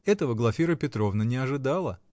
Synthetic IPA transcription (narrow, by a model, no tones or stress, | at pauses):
ɛt̪əvəɡlˠɐfʲiɾəpʲɪt̪ɾo̞vnənʲɪɐʐɨd̪alˠə